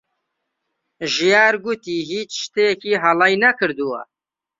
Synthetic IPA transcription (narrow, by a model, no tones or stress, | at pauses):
ʒijaːɾɡut̪iːɦiːt͡ʃʃt̪ejkiːɦɐlɑjnakʰɨɾd̪uwɐ̰